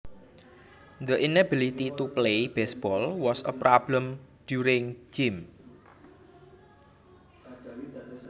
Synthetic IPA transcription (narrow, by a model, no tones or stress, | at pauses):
d̪əʔinəbilit̪it̪uplejb̥ɛsb̥ɔlwɔsə̰pɾɔblə̃md̪̥juɾɪŋd͡ʒim